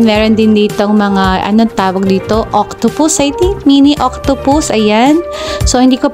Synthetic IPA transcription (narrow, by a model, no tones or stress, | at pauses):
nmɛːɾond̪ɪnd̪iːt̪oŋmɐŋaʔɐ̰noŋt̪aːwɐɡ̚d̪iːt̪o̞ʔok̚t̪ʊpʊsajt̪imiːniʔok̚t̪ʊpʊsʔɐjansohɪnd̪iːkop